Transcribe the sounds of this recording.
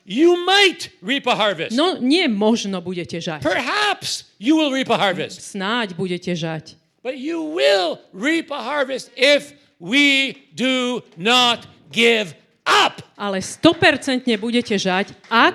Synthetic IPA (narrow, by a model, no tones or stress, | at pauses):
jumaɪtɹipəhɑɹvɨsnɔɲɪɛmɔʒnɔbuɟɛcɛʒapʰə˞ɦæpsjɨwɪlˠɹipəhɑɹvɨstsnaɟbuɟɛcɛʒac | b̥ʌt͡ʃuwɪlˠɹipəhɑɹvɨstɪf | wi | dunət̚ | ɡ̥ɪv | ʔʌpʔalɛst̪ɔpɛɾt͡sɛnt̪ɲɛbuɟɛcɛʒacʔa